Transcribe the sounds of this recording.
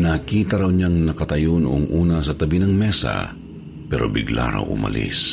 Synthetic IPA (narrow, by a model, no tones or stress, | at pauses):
nɐkiːt̪ɐɾɐwɲaŋnɐkɐt̪ɐjonʊʔoŋʔuːnɐsɐt̪ɐbinɐŋmɛsɐ̰ | pɛɾo̞̰bɪɡlʔa̰ɾɐ̰wʔʊmɐ̰lḭs